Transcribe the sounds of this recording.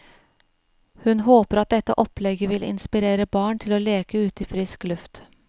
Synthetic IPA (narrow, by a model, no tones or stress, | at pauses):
hʉnhoːpəɾɑt̪̚d̪ɛt̪ːə̰ʔɔplɛɡəʋɪlɪ̰nspɪɾeːɾəbɑːɳt̪ʰɪloːleːkəʉːt̪əiːfɾɪsklʉft̪